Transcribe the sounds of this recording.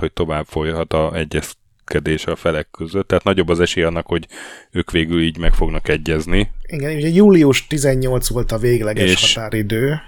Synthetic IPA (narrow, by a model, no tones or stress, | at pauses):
ho̞c̚t̪o̞vaːbfo̞jɦɒt̪ɒɛɟːɛs | kɛd̪eːʃɒfɛlɛkːøzøt̪ːɛɦaːt̪nɒɟo̞bːɒzɛʃeːjɛɒnːɒkho̞ɟøːkʋeːɡyliːɟmɛkfo̞ɡnɒkɛɟːɛzniiɡɛnʃuɟɛjuːliuʃt̪izɛɲːo̞lt̪sʋo̞lt̪ɒveːɡlɛɡɛeʃːʃɒt̪aːɾid̪øː